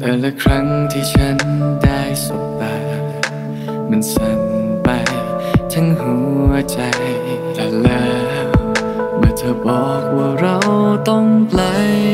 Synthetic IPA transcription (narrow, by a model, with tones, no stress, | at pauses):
t̪ɛː˨˩lɛː˧˩kʰɾa˦˥ŋt̪ʰiː˧˩t͡ɕʰa˦˥ndaː˥˩jsu˨˩t̚t̪aː˧ | ma˧˩nsa˧˩npa˧j | t͡ɕʰa˦˥nɦu˨˦t͡ɕa˧j | t̪a˧˩lɛː˦˥ | w | maː˧˩t̪ʰaː˧˩bɔː˨˩k̚waː˧˩ɾa˧wt̪ɔ˥˩ŋpʰla˧˥j